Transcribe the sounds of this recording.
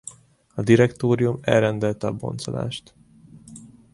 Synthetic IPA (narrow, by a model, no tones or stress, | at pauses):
ɒd̪iɾɛkt̪oːɾijumɛ̰lrɛnd̪ɛlt̪ɛɒbo̞̰nt̪sola̰ːʃt̪